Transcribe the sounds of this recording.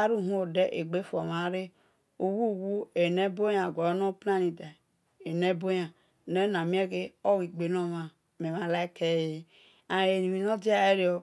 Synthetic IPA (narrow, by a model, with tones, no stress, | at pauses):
a˦ɾu˦˨ɦũ˦o˨de˦ʔe˨ɡ͡be˦fo˨ma˨˦ɾe˦ | o˨wu˦˨wu˦e˨ne˦bo˦ja˨ɡʷa˨˦no˦pna˦ni˨de˨ | e˨ne˦bo˦ja˨ | ne˦na˨mi˦e˦ke˦o˦wi˨ɡ͡be˨no˦˨ma˨ | me˨ma˨la˦e˦ke˦˨je˦ | a˨e˨ni˨mi˨no˦d͡ʒi˦a˨e˦ɾi˦o˨